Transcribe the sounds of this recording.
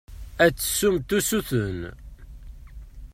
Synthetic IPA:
æt͡sːə̥sːumt̪usuθən

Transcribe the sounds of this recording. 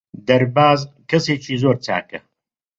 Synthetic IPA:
d̪ɐɾbaːzkɐseːt͡ʃiːzoːɾt͡sa̰ːkɐ

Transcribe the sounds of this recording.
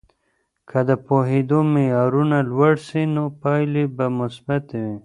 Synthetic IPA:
kʰad̪əpoɦed̪omejɑɾunalwaɽsinopɑjlebamʊsbat̪wi

